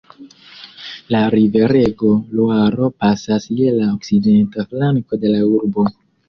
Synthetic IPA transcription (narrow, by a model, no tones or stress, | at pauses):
laɾive̞ɾe̞ɡo̞luaɾo̞pasasjelaokside̞ntaflaŋko̞de̞lauɾbo̞